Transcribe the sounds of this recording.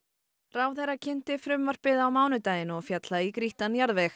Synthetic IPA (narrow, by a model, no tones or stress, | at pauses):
rawθɛɾacʰɪn̥t̪ɪfɾʏmvar̥pɪðaːwmaːwnʏt̪aːjɪnɔɣfjat̪laikɾiht̪anjaɾðvɛx